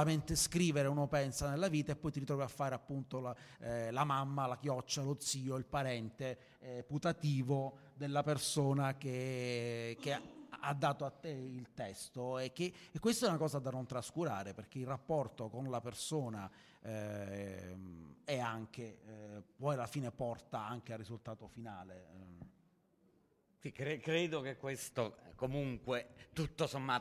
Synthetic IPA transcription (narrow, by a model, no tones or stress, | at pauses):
ament̪eskɾiːveɾeunopɛnsanelːaviːt̪aepːɔjt̪iɾit̪ɾɔviafːaːɾeapːunt̪olalamamːalak̟jɔt͡ʃːalot̪siːoilpaɾɛnt̪e | put̪at̪iːvo | d̪elːapersoːnake | k̟ead̪ːaːt̪oat̪ːeilt̪ɛst̪oek̟ːeːkːwest̪oɛunakɔːzad̪anont̪ɾaskuɾaːɾeperk̟eilrːapːɔrt̪okonlapersoːna | ɛaŋk̟epɔjalːafiːnepɔrt̪aaŋkearːizult̪aːt̪ofinaːle | sikɾekɾeːd̪okekːwest̪okomuŋkwet̪ut̪ːosomːa